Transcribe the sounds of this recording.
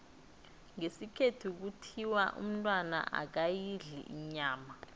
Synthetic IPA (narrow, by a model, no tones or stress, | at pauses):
ŋesikʰetʰuk̬utʰiwaʔṵm̩tʼwana̰ʔa̰k̬ajiɮḭʔiɲaːma